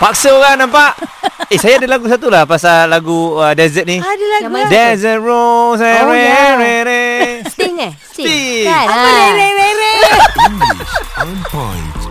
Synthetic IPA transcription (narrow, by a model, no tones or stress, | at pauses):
pak̚səoɣanãmpaʔesajaːdalaɡus̬at̪̬ulahpasalaɡuədɛzət̪̚niddɛnsənɹoŋs̬ajɾɛɾeɾɛ | i | ɾeɾeɾe | pa̰